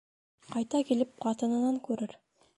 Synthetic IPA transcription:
qʰɑjt̪ɑkilɪp̚qʰɑt̪ɤ̆nə̆nɑŋkɵɾɘɾ

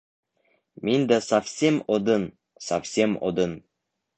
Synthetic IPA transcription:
mind̪asafsʲemod̪ɤn | safsʲemo̰d̪ɤn

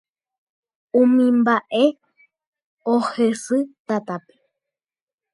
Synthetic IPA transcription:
ũmĩmbaʔe | ohesɨt̪at̪ape̥

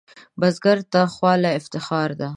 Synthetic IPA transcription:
bazɡaɾt̪axwɑlaɪft̪ɪxɑɾd̪a

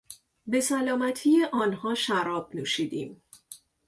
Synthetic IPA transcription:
be̞sælɒːmæt̪ʰije̞ʔɒːnhɒːʃæɾɒːb̥̚nuːʃiːd̪iːm

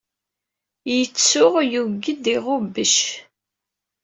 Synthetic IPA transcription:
jət͡sːʊʁjuɡːəd̪iʁobəʃ

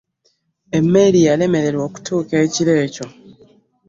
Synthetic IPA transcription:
e̞mːeɾijale̞me̞ɾe̞ɾwo̞ːku̥tuːke̞ːciɾe̞ːco̞

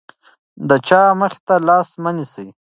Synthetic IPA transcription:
d̪ət͡ʃɑməxe̥t̪alɑsmənisij

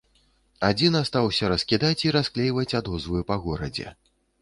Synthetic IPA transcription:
ad͡zʲinast̪awsʲɐɾɐskʲid̪at͡sʲiɾasklʲejvɐt͡sʲad̪ɔzvɨjupɐɣɔɾɐ̰d͡zʲɛ̰

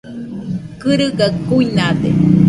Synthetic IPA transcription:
kɨɾɨɡakuinad̪ḛ

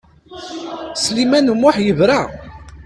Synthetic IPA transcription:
slimænumʊħjəvɾæ

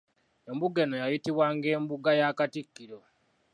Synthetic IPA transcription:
e̞mbuɡe̞nojajitiβwaŋɡe̞ːmbuɡajakatikːiɾo̞

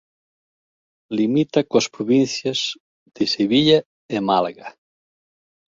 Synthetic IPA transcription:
limit̪akoɐspɾoβinθjaz̥ | d̪̥eseβiʎa | emalɣa

